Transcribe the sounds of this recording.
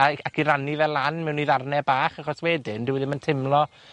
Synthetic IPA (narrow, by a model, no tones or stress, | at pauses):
aakʰiɾanivɛlˠanmɛwniðarnɛbaːχaχɔswɛdɪndɪwɪðɪməntʰɪmlˠɔ